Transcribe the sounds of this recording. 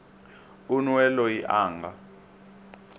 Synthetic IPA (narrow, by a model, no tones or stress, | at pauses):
unwɛlɔjiʔaːŋɡa